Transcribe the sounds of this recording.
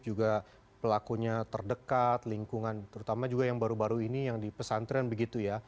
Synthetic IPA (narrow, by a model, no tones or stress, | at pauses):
d͡ʒuɡa | pəlakuɲat̪ərdəkat̪liŋkuŋant̪əɾut̪amad͡ʒuɡajaŋbaɾubaɾuinijaŋdipəsant̪ɾianbəɡit̪uja